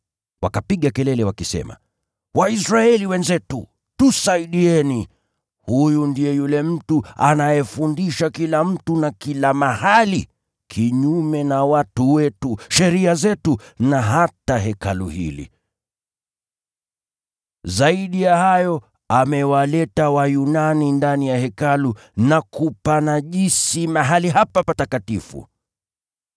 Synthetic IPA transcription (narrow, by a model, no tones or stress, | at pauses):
wakapiɠakɛlɛlɛwakisɛ̰ma̰ | waisɾaɛliwɛnzɛtu | tusaiɗiɛni | hujundijɛjulɛm̩tuanajɛfundiʃakilam̩tunakilamahali | kʰiɲumɛnawatuwɛtuʃɛɾiazɛtunaɦataɦɛkalṵhḭlḭ | zaiɗijahajɔ | amɛwalɛtawajunanindanijahɛkalu | nakupanaʄisimaɦaliɦapapatakatifṵ